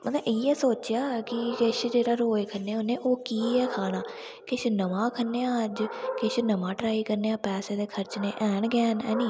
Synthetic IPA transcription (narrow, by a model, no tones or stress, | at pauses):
mət̪əɪɛːsoːt͡ʃɪjaːkɪkɪʃd͡ʒeːɽaːɾoːekʰənːeːʊnːẽːʔoːkiːɛːkʰaːɽaː | kɪʃnəʋãːkʰənːeːãːd͡ʒkɪʃnəmãːʈɾaːiːkəɾneːãːpɛːseːd̪eːkʰəɾt͡ʃneːʔɛːnɡɛːnɛːnĩː